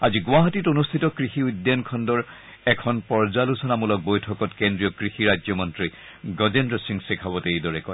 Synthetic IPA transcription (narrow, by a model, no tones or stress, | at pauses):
aziɡʊaɦatitonustʰitɔkɹixiudjankʰɔndɔɹ | ɛkʰɔnpɔɹzalusɔnamulɔk̚bojtʰɔkɔtkendɹijɔkɹixiɹajd͡ʒɔmɔntɹi | ɡɔzendɔsiŋsikʰabɔtejdɔɹɛkɔj